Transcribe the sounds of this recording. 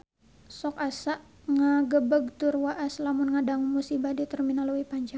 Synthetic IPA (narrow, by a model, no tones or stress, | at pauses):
sɔkasaʔ | ŋaɡəbəɡ̚t̪ʊrwaʔaslamʊnŋadaŋmusibadit̪ərminaluwipaɲd͡ʒaŋ